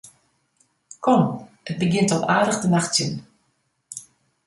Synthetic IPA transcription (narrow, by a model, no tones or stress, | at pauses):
kʰɔm | ət̚bəɡɪntɔlaːdəɣdənaxtsjən